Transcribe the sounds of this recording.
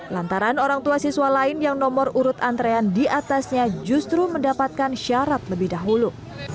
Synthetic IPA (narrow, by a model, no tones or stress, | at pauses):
lant̪aɾanoɾaŋt̪uasiswalaɪnjaŋnɔmɔruɾʊt̪ant̪ɾeandiʔat̪asɲad͡ʒust̪ɾuməndapat̪̚kanʃaɾat̪̚ləbɪhdaɦulu